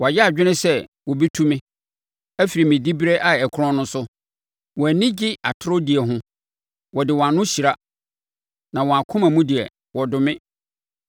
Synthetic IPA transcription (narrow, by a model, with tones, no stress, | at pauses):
wɔ˨a˨jɛ˦a˨d͡ʑᶣɪ˦nɪ̃˦sɛ˦ | wɔ˨bi˦tʰũ˦mɪ̃˦ | æ˦fi˨ɾi˨mɪ̃˨di˦bi˦ɾe˦ʔa˨ɛ˨kʰɾɔ̃˦nʊ̃˦sʊ˦ | wɔ̃˨æ˨nĩ˦d͡ʑɪ˦a̰˨tʰʊ˦ɾʊ˦di˨ɛ˨ɦʊ̃˦ | wɔ˨dɪ˨wɔ̃˨a˨nʊ̃˦ɕi˨ɾa˦ | nã˨wɔ˨a˨kʰʊ̃˦mæ̃˨mũ˦di˨ɛ̰˨ | wɔ˨dʊ˨mɪ̃˦